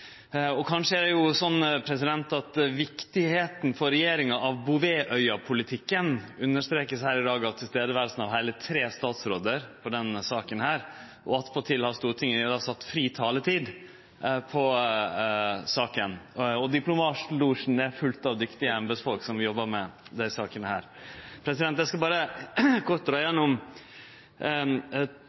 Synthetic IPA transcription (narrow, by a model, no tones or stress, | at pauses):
ɔkʰɑnʂəæd̪ɛjʊsɔnːpʰɾɛsɪd̪ɛnt̪ɑt̪ʋɪkt̪ɪheːt̪n̩fɔɾɛjeːɾɪŋɑʔɑʋbʊʋeːʔœʏɑpʰʊlɪt̪ʰɪkːənʉnːəʂt̪ɾeːkəshæːɾɪd̪ɑːɡɑt̪ʰːɪlst̪eːd̪əʋæːɾlsən̩ɑʋɦæɪlət̪ʰɾeːst̪ɑːt̪sɾoːd̪əɾpʰɔɖ̪ɛnsɑːkənhæːɾ | ʔɔɑt̪pʰɔt̪ʰɪlhɑst̪uːɾət̪ʰɪŋːəd̪ɑsɑt̪ːfɾiːt̪ʰɑːlət̪ʰiːd̪ | pʰɔ | sɑːkənɔd̪ɪplʊmɑːt̪luːʂn̩æfʉlt̪ɑʋd̪ʏkt̪ɪəɛmbɛsfɔlksɔmʋɪjɔbːəɾmɛd̪æɪsɑːkənəhæːɾ | pʰɾɛsɪd̪ɛnt̪jæɪskɑbɑːɾəkʰɔt̚d̪ɾɑːɪjɛnːʊm